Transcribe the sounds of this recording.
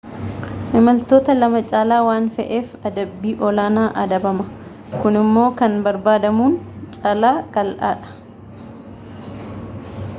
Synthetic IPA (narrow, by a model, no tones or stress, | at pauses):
ʔɪmɐlt̪oːt̪ɐlɐmɐt͡ʃʼaːlaːwaːnfɛʔe̞ːfɐd̪ɐbːiːʔɔlaːnaːʔɐd̪ɐbɐmɐ | kʊnɪmːo̞ːkɐnbɐɾbaːd̪ɐmuːnt͡ʃʼɐlaːkʼɐlʔa̰ːᶑɐ̥